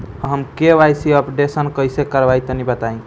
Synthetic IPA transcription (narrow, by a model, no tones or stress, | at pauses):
ɦəmkeʋajsiəpɖesənkəjsekəɾbait̪ənibət̪aĩ